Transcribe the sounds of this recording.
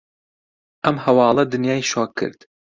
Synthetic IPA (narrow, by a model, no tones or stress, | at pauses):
ʔɐmhɐwɑːlˠɐd̪ɨnjɑːiʃɑːkʰːɨ̰ɾd̪̥